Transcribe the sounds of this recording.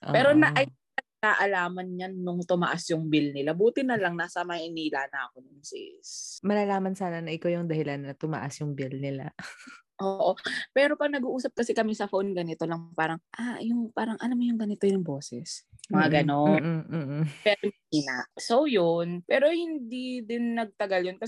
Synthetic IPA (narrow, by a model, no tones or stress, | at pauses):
ʔpɛːɾo̞nɐʔɐj | nɐɡ̚aːʔɐlaːmɐnɲanːʊŋt̪ʊmɐʔasjʊŋbilnɪlabuːt̪ɪnɐlɐŋnasɐmɐhɪniːlaːnɐʔɐko̞nʊŋsɪ̰smɐlalaːmɐnsaːnanɐʔɪkajʊŋd̪ɐhɪlanːɐt̪ʊma̰ʔasjʊŋbilnɪla | ʔoʔo̞pɛːɾo̞pɐɡnɐɡuːʔuːsɐp̚kɐsɛkɐmisɐfonɡɐnɪt̪o̞lɐŋpaːɾɐŋʔajʊŋpaːɾɐŋʔɐnamɐjʊŋɡɐnɪt̪ojʊŋbo̞ːsɛsmɐŋaɡɐno̞n̩ː | pɛɾo | inɐʔsowjonpɛːɾo̞hɪnd̪id̪ɪnːɐɡ̚t̪ɐɡaljonkɐ